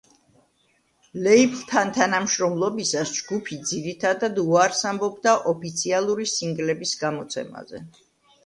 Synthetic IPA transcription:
lɛipʰlt̪ʰant̪ʰanamʃɾɔmlˠɔbisasd͡ʒɡupʰid̪ziɾit̪ʰad̪ad̪uaɾsambɔbd̪aʔɔpit̪sʰialˠuɾisiŋɡlɛbisɡamɔt̪sʰɛ̰ma̰zɛ̰

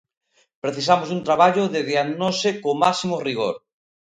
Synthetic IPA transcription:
pɾeθisamosunt̪ɾaβaʎoðeðiaɣnosekomasimoriɣo̰ɾ

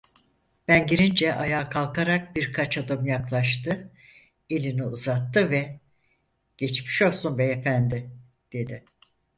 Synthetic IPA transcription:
b̥ænɟiɾind͡ʒɛʔajaːkʰalˠkʰaɾak̚biɾkʰat͡ʃad̪ɯmjaklˠaʃt̪ɯ | elʲiniuzat̪ːɯvɛ | ɟ̥ɛt͡ʃmi̥ʃo̞lˠsunbɛjefænd̪ɪ | d̪̥e̞d̪ɪ

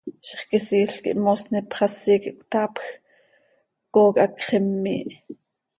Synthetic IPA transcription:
ʃχkisiːɬkḭʔmosnipχɑsiːkiʔkʷt̪ɑːpx | koːkʔɑkχemːḭːʔ

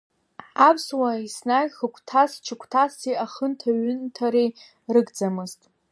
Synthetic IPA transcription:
apʰswaisnaɡʲχəkʷʰtʰast͡ʃʰɨkʷʰtʰasiaχəntʰaɥʏntʰaɾej | rɨɡd͡zamɨztʼ

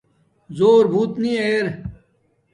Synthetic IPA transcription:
zoːɾbʱuːt̪nĩeːɾ

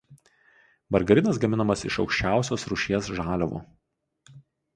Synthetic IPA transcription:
bɐɾɡɐɾʲɪnɐs̬ɡɐmʲɪnɐmɐsɪ̰ʃɒʊkʃʲt͡ʃʲæˑʊsʲoːsɾʊʃʲiɛsʒɑːlʲɛʋṵ

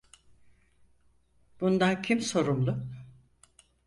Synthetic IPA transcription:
b̥und̪ancʰimso̞ɾumlˠʊ

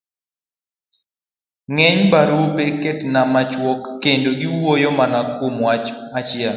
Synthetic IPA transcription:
ŋɛɲbaɾupeketnamat͡ʃwɔkːendoɡɪwojɔmanakwomwat͡ʃmat͡ʃɪɛl

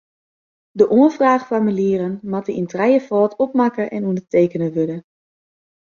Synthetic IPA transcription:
dəʔoənfraːχfamiliːrənmatəintrɛjəfɔːtʰɔp̚makəʔɛnundəteːkənəʋødə

